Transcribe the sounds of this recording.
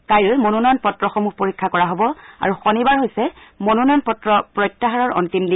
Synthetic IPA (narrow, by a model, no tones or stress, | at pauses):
kajɹʊmonunɔnpɔtɹɔxɔmuhpoɹikʰːakɔɹaɦobɔa̰ɹuxonibaɹɦojsɛmonunɔnpɔtɹɔpɹɔjtːaɦaɹɔɹɔ̰ntimdi